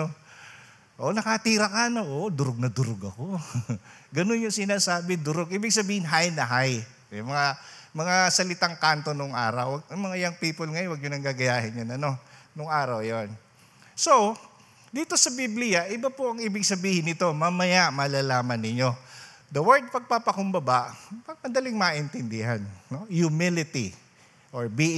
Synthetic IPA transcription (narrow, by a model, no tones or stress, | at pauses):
o | ʔonɐkɐt̪iːɾɐkanɐʔoːʔd̪ʊɾoɡ̚nɐd̪ʊɾoɡɐko | ɡɐnonjʊŋsɪnaːsaːbɪd̪ʊɾoɡʔiːbɪɡ̚sɐbiːhɪnɦajnɐɦaj | mɐŋamɐŋasɐlɪt̪aŋkant̪o̞nʊŋʔa̰ːɾɐwwɐɡɐŋmɐŋaɪjaŋpiːpolŋɐjowɐɡ̚ɲʊnɐŋɡaɡɐjaːhɪnjonɐno̞nʊŋʔaːɾɐwjon | sow | d̪iːt̪o̞sɐbiblɪjɐʔɪbapoʔɐŋʔiːbɪɡsɐbiːhɪnɪt̪o̞mamɐjaʔmɐlaːlaːmɐnːɪɲo̞ | d̪ɐwɛɹd̪̚pɐɡ̚papɐkʊmbɐbaʔpɐɡ̚mɐnd̪ɐlɪŋmaʔɪnt̪ɪnd̪ɪɦanno̞jumɪlɪt̪ḭ | ʔoɹbi